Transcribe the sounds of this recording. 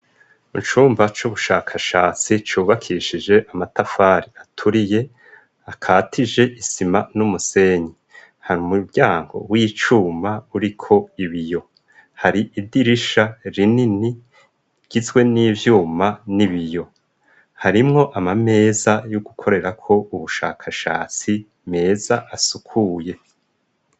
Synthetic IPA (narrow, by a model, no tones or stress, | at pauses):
it͡ʃuːmvat͡ʃuβuʃaːkʰaʃaːt͡sit͡ʃuːβakʰiʃid͡ʒe̞ʔamatafaːɾiatʰuɾije̞ | akʰaːtʰid͡ʒe̞ʔisimanumuse̞ɲi | haɾumubɟaːŋɡo̞̰wit͡ʃuːmauɾikʰo̞iβijo̞ | haɾiʔidiɾiʃaɾinini | ɟ̥izɡwe̞niːvjuːmaniβijo̞ | haɾimŋo̞ʔamame̞ːzajuɡukʰo̞ɾe̞ɾakʰo̞ʔuβuʃa̰ːkʰaʃa̰ːt͡si | me̞ːzaʔasukʰuːje̞